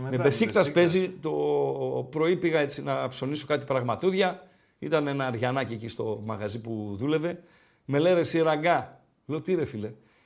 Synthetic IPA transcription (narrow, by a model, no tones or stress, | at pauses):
mebe̞sikt̪ɐspe̞zit̪o̞pɾo̞ipiɣɐe̞t͡sinɐpso̞niso̞kɐt̪ipɾɐɣmɐt̪uðʝɐ | it̪ɐnenɐɾʝɐnɐciecist̪o̞mɐɣɐzipuðule̞ve̞ | me̞leɾe̞siɾɐŋɡɐ | lot̪iɾe̞file̞